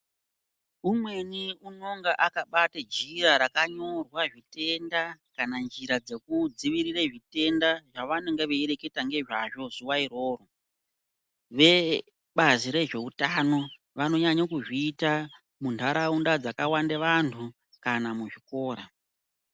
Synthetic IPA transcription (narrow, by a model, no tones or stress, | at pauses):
umwe̞niuno̞ŋɡaʔakaɓatad͡ʒiraɾakaɲo̞rwaʐite̞ndakanand͡ʒiɾad͡ze̞kud͡ziʋiɾireʐite̞ndaʐaʋaneŋɡeʋeeɾeke̞taŋɡe̞ʐaʐo̞zuwaiɾoːro | ʋe̞ | ɓaziɾe̞ʐe̞utano̞ | ʋano̞ɲaɲakuʐiːta | muntʰaɾaundad͡zakawandeʋantʰu | kanamuʐiko̞ːɾa